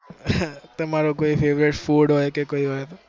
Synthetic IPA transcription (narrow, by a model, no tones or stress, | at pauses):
t̪əmaɾokoifeʋɾeʈfuɽɦɔjkekoiɦat̪